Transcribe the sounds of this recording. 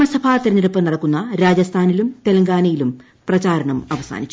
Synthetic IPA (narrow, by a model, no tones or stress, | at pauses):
mɐsɐbʰʱaːt̪iɾɐɲːɐɾɐpːɐnɐɽɐkːunːɐɾaːd͡ʑɐst̪ʰaːnilumt̪e̞lɐŋɡaːnɐjilum | prɐt͡ɕaːɾɐɳɐmɐʋɐsa̰ːnit͡ɕːu